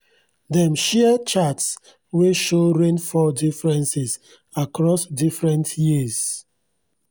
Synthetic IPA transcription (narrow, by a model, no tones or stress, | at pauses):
dɛ̃mʃɛət͡ʃats | weʃoɹẽnfɔdifɹɛ̃nsɪz | akɹɔsdifɹɛ̃ntjiz